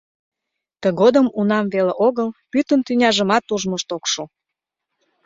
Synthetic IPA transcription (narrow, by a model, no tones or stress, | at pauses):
t̪əɣod̪əmunɑmveleʔoɣəlpyt̪ənt̪ynʲɑʒəmɑt̪ːuʒməʃt̪okʃu